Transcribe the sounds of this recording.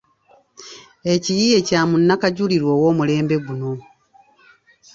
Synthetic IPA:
e̞cijije̞caːmunːakaɟuliɾwo̞ːwo̞ːmule̞ːmbe̞ɡuno̞

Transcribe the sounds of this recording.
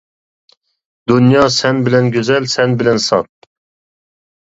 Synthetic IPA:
d̪unjɑsɛnbɪlɛnɡʲøzɛlsɛnbɪlɛnsɑt̪̚

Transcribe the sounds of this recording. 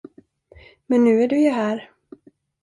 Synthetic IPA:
mɛnːʉ̟ːæɖɵjɵɦæːɾ

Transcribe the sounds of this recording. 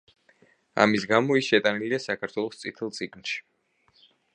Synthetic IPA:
a̰misɡamɔisʃɛt̪ʼaniliasakʰaɾt̪ʰwɛlˠɔst̪sʼit̪ʰɛlˠt̪sʼiɡʼnʃi̥

